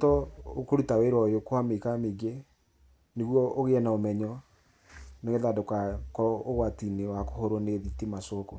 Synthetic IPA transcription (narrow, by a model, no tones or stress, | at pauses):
tɔokoɾutaweɾɔjokwamekameɡe | neɣwɔoɣeɛnaomɛɲɔ | noɣeðadokakɔoɣwatinewako̥hoɾoneðitimasoko